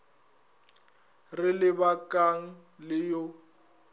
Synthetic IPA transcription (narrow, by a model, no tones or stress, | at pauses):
rɪlɪbakʼaŋ̩ | lɪjo